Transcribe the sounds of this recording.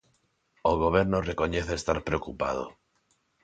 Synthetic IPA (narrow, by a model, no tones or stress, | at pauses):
oɣ̞oβ̞eɾnoreko̞ɲeθeest̪aɾpɾeokupa̰ð̞o̰